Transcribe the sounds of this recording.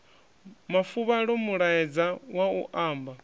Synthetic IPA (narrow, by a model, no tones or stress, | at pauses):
mafuβaɺɔmuɺaɛd͡zawauʔaːmba